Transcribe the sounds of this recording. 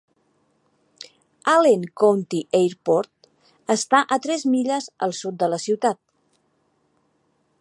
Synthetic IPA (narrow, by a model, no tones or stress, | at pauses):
aleŋkownt̪iʔejɾpɔɾt̪ | əst̪aʔət̪ɾɛzmiʎəzə̰lˠsut̪̚d̪ələsiwt̪at̪̚